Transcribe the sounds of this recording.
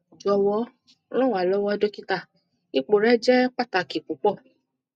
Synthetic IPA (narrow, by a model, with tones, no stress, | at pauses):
d͡ʒɔ˧wɔ˦ | nɔ̃˦˨wa˨lɔ˨˦wɔ˧˦ɛ˦do˦ki˦ta˦˨ | i˦k͡po˨ɾɛ˦d͡ʒɛ˦k͡pa˦˨ta˨ki˨k͡pu˨˦k͡pɔ˦˨